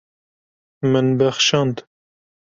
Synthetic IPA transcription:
mɨnbɛxʃɑnd̪

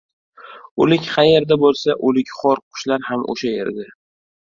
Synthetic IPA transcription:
olɪkʲχajeɾd̪abolˠsaʔolɪkʲχɒɾqʰʊ̥ʃlaɾhamʔo̰ʃajḛɾd̪ɪ

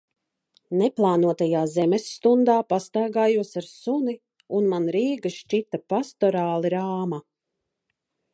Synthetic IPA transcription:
nɛplˠaːnuɔt̪ajaːzɛmɛsːt̪und̪aːpast̪aːɡaːjuɔsaɾsuni | unmanɾiːɡaʃt͡ʃit̪apast̪ɔɾaːlˠiɾaːma

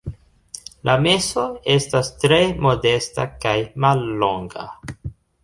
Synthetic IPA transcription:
lʔame̞so̞e̞stastɾe̞mo̞de̞sta̰kajmalːo̞ŋɡa̰

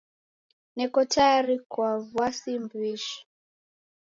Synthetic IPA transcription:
nɛkɔtajaɾikwavwasimbwiʃɔ̥

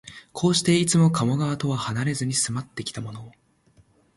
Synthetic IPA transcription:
kʰo̞ːɕi̥t̪e̞it͡sɨmo̞kamo̞ɡaβat̪o̞βahanaɾe̞zɨɲ̟isɨmat̪ːe̞kʲi̥t̪amo̞no̞ː

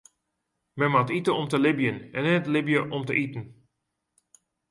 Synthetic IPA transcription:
mɛnmatitəɔmtəlɪbjənɛnɛtlɪbjəʔɔmtəʔitn̩

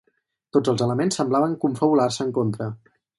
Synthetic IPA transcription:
t̪od͡zəlˠzələmensːəmblaβəŋkuɱfəβularsəːŋkont̪ɾə

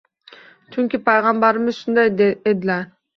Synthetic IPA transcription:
t͡ʃʰyŋkʲipʰajʁɑmbɑɾɯmɪzʃund̪ɑjd̪eed̪la

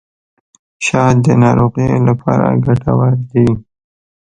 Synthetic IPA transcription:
ʃɑd̪ənɑɾoɣelapʰɑɾa̰ɡaʈawaɾd̪i

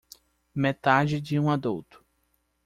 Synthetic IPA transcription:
met̪ad͡ʒɪd͡ʒɪũad̪uwt̪ʊ̥

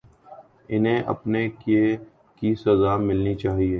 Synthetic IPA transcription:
ɪnɦẽʔɐ̰pneke | kisɐzaːmɪlnit͡ʃaːɦieː

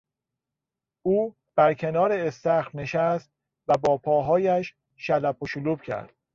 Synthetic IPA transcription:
uː | b̥æɾcʰe̞nɒːɾeːst̪æxfne̞ʃæst̪̚ | væbɒːpʰɒːɦɒːjæʃː | ælæpʰoʃoluːb̥cʰæ̰ɾd̪̥

